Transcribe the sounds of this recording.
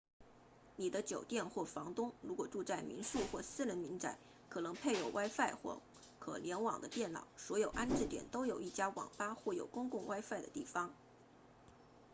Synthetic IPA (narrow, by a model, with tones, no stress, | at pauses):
ni˨˩d̪ə˦t͡ɕjo˨˩ʊt̪jɛ˥˧nxwɔ˥˩fɑ˧˥ŋt̪ʊ˥ŋɻu˧˥kwɔ˨˩ʈ͡ʂu˥˧t͡sa˥˩ɪmḭ˧˥nʂu˥˧xwɔ˥˩sɹ̩˥ɻə˧˥nmi˧˥nt͡sa˧˥˦ɪ | kʰɤ˨˩nɤ˧˥ŋpʰe˥˩ɪjo˨˩ʊwʔa˥ɪfa˥˧ɪxwɔ̰˥˩ | kʰɤ̰˨˩ljɛ˧˥nwɑ̰˨˩ŋd̪ə˦t̪jɛ˥˩nnɑ̰˨˩˦ʊswɔ˧˥jo˨˩ʊʔa˥nʈ͡ʂɻ̩˥˩t̪jɛ̰˨˩nt̪o˥ʊjo˨˩ʊi˥˩t͡ɕja˥wɑ̰˨˩ŋpa˥xwɔ˥˩jo˨˩ʊkʊ˥ŋkʊ˥˩ŋwa˥ɪfa˥˩ɪd̪ə̰˩t̪i˥˩fɑ˧˩ŋ